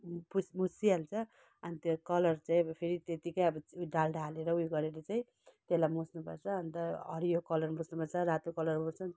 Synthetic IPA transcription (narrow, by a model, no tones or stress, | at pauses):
pusmusialt͡sʰʌ | ʌnit̪jokʌlʌrt͡saĩʌbʌpʰeɾit̪et̪ikʌjʌbʌɖalɖaleɾʌujɡʌɾeɾʌt͡saĩ | t̪elajmũsnupʌrt͡sʰʌːnit̪ʌʌɾijokʌlʌrmũsnupʌrt͡sʰʌɾat̪ukʌlʌrmut͡sʰʌ